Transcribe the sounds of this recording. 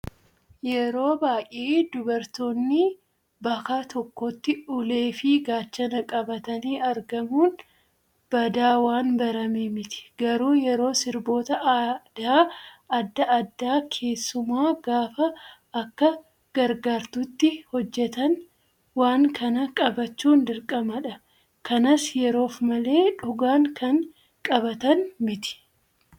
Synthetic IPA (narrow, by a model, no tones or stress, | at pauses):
jɛɾo̞ːbaːkʼeːd̪ʊbɐɾt̪o̞ːnːɪ | bɐkaːt̪ɔkːɔt̪ːɪʊle̞ːfɪɡaːt͡ʃːɐnɐkʼɐbɐt̪ɐniːɐɾɡɐmuːn | b̥ɐd̪aːwaːnbɐɾɐmeːmɪt̪ɪ̥ɡɐɾuːjɛɾo̞ːsɪɾbo̞ːt̪ɐʔd̪̥aːɐd̪ːɐʔɐd̪ːaːkʰe̞ːsːʊmaːɡaːfɐː | kːɐ | ɡ̥ɐɾɡaːɾt̪ʊt̪ːɪhɔd͡ʒːɛt̪ɐn | waːŋkɐnɐkʼɐbɐt͡ʃːuːnd̪ɪɾkʼɐmɐᶑɐ | kɐnɐsjɛɾo̞ːfmɐle̞ːᶑʊɡaːŋkɐŋ | kʼɐbɐt̪ɐnmɪt̪ɪ̥